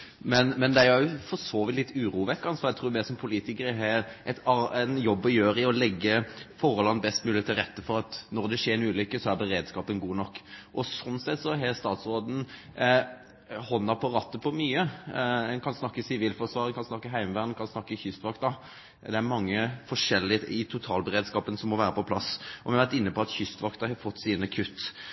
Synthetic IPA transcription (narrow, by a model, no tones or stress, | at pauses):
mɛnmɛnd̪ɛæɾæɾjʊfɔsoːʋɪt̪lɪt̪ːʉːɾuːʋɛk̪kːɑnsʋɑːɾjæt̪ʰɾuːmɛːsɔmpʰʊliːt̪ɪkəɾəɦɛɾʔɛt̪ɑɛnjɔbːɔjøːɾɪɔlɛɡːəfɔːɾəlɑnbɛst̪mʉːlɪət̪ʰɪlɾɛt̪ːəfɔɾɑt̪nɔɾd̪ɛʃeːɾɛnʉːlʏkːəsɔæɾbɛɾeːd̪skɑːpənɡuːnɔkːʔɔsɔnːsɛt̪ːsɔɦɛɾst̪ɑːt̪sɾoːd̪n̩ | hɔnːɑpʰɔɾɑt̪ːəpʰɔmyːəɛnkʰɑnsnɑkːəsɪʋiːlfɔsʋɑːɾənkʰɑnsnɑkːəɦæɪməʋæːʁnkʰɑnsnɑkːəçʏst̪ʋɑk̚t̪̚d̪ɑ | d̪ɛæɾmɑŋːəfɔʂɛlːɪɪt̪ʰʊt̪ʰɑːlbəʁeːd̪skɑːpənsɔmːɔʋæːɾəpɔpʰlɑsɔʋɪɑʋæɾt̪ɪnːəpɔɑt̪çʏst̪ʋɑkt̪ɑɦɑfɔt̪ːsiːnəkʰʉt̪ː